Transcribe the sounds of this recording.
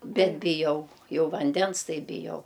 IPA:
ˈbʲɛt bʲɪˈjɛʊ ˈjɛʊ ʋɐnʲˈdʲɛns ˈtɐɪ bʲɪˈjɛʊ

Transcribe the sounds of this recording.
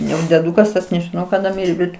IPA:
ˈjɛʊ dʲɛˈduːkɐs tɐs nʲɛʒʲɪˈnɐʊ kɐˈdɐ ˈmʲɪrʲeː ˈbʲɛt

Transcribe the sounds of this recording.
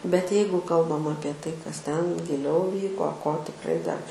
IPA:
bʲɛt ˈjɛɪɡʊ ˈkɐlˠbɐm ˈɑːpʲiɛ ˈtɐɪ kɐs ˈtʲɛn ɡʲɪˈlʲɛʊ ˈʋʲiːkoː koː tʲɪkˈrɐɪ dɐr

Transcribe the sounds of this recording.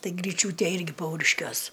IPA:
ˈtɐɪ ɡrʲiːˈt͡ʃʲuːtʲeː ˈɪrʲɡʲɪ ˈpɐʊrʲɪʃʲkʲuɔs

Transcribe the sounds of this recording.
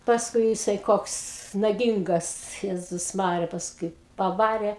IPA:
pɐsˈkʊɪ jɪˈsɐɪ ˈkoːks nɐˈɡʲɪŋɡɐs ˈjæːzʊs ˈmɑːrʲɪjɛ pɐsˈkʊɪ pɐˈʋɑːrʲeː

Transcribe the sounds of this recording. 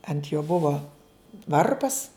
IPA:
ɐnt joː ˈbʊʋoː ˈʋɐrpɐs

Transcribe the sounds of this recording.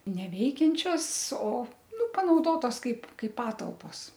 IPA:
nʲɛˈʋʲɛɪkʲɛnʲt͡ʃʲoːs oː ˈnʊ pɐnɐʊˈdoːtoːs ˈkɐɪp ˈkɐɪ ˈpɑːtɐlˠpoːs

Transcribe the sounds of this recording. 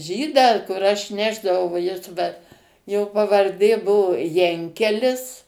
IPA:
ˈʒʲiːdɑː kʊr ˈɐʃ ˈnʲæːʒdɐʋɐʊ ʋɐ ˈjɪs ʋɐ joː pɐʋɐrʲˈdʲeː ˈbʊʋoː ˈjɛŋʲkʲɛlʲɪs

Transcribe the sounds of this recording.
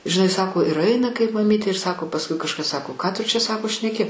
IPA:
ʒʲɪˈnɐɪ ˈsɑːkoː ɪr ˈɐɪnɐ kɐɪp mɐˈmʲiːtʲeː ɪr ˈsɑːkoː pɐsˈkʊɪ kɐʃˈkɐs ˈsɑːkoː ˈkɑː ˈtʊ t͡ʃʲɛ ˈsɑːkoː ʃʲnʲɛˈkʲɪ

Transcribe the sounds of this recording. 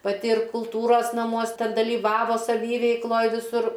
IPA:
pɐˈtʲɪ ɪr kʊlˠˈtuːroːs nɐˈmuɔs ˈtʲɛn dɐlʲiːˈʋɑːʋoː sɐˈʋʲiːʋʲɛɪklˠoːj ʋʲɪˈsʊr

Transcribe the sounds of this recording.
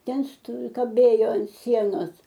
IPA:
ˈtʲɛn stoː kɐˈbʲeːjoː ɐn ˈsʲiɛnoːs

